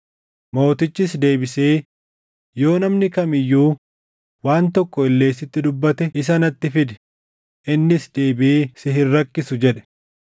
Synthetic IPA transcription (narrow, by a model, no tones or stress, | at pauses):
mo̞ːt̪ɪt͡ʃːɪs̬d̪e̞ːbɪseː | jo̞ːnɐmnɪkɐmɪjːuː | waːnt̪ɔkːɔɪlːe̞ːsɪt̪ːɪd̪ʊbːɐt̪ɛɪs̬ɐnɐt̪ːɪfɪd̪ɛ̥ | ʔɪnːɪsd̪eːbɪʔeːsɪɦɪrːɐkːɪsʊd͡ʒɛᶑɛ̥